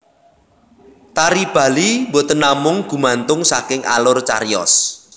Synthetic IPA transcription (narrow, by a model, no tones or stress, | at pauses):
t̪aɾib̥a̤limbot̪ənamʊŋɡ̥ṳmant̪ʊŋsakɪŋʔa̰lʊrt͡ʃa̰rjɔ̰s